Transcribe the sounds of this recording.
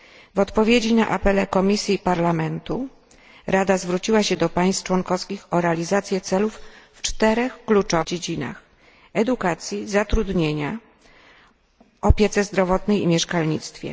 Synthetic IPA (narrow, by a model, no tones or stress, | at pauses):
vɔt̪pɔvʲjed͡ʑina̰ʔapɛlɛkɔmʲisʲjipaɾlamɛnt̪u | ɾad̪azvɾut͡ɕiwaɕɛd̪ɔpaj̃st̪t͡ʂwɔŋkɔfskʲixɔɾɛalʲizat̪sʲjɛt̪sɛlufː | t͡ʂt̪ɛɾɛxklut͡ʂɔd͡ʑed͡ʑina̰x | ɛd̪ukat̪sʲjizat̪ɾud̪ɲeɲa | ɔpʲjɛt̪sɛzd̪ɾɔvɔt̪nɛjimʲjɛʂkalɲit̪st̪fʲjɛ̰